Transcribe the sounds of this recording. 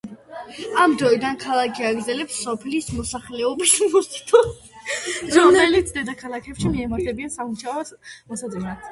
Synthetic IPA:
amd̪ɾɔid̪ankʰalˠakʰiaɡɾd̪zɛlɛpsːɔpʰlismɔsaχlɛɔbismusi̥t̪ʰu | ɾɔmɛlit̪sʰd̪ɛd̪akʰalˠakʰɛpʃimiɛmaɾt̪ʰɛbiansamuʃaɔmasad̪ɛnat̪ʰ

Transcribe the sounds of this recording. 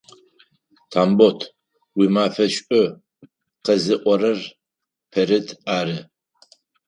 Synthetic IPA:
tʰaːmbotʰ | wiːmaːfɐʃʼʊ | qɐzɨʔʷɔɾɐr | pʰɐɾɨtʰaːɾɨ

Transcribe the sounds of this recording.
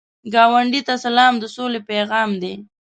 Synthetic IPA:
ɡɑwaɳɖit̪asalɑmd̪əsolepeɣɑmd̪e

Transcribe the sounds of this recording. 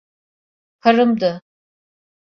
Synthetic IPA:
kʰaɾɯmd̪ɯ

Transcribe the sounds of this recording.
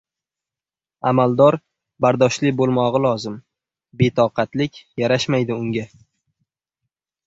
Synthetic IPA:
amalˠd̪ɒɾ | baɾd̪ɒʃlɪbolˠmɒʁɨlˠɒzɪm | be̞t̪ʰɒqɑt̪lɪkʲjaɾaʃmajd̪ɪʊŋɡʲa

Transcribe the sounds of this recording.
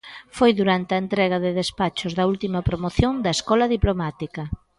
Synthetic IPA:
fojðuɾant̪eɐent̪ɾɛɣ̞ɐðɪðespat͡ʃʊzðɐult̪imɐpɾomoθjoŋd̪ɐeskɔlɐðiplomat̪ikɐ

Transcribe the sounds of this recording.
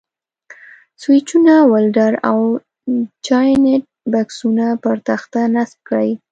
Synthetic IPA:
swɪt͡ʃunawalɖaɾaw | t͡ʃɑjneʈ̚baksunapəɾt̪axt̪anasb̚kɽj

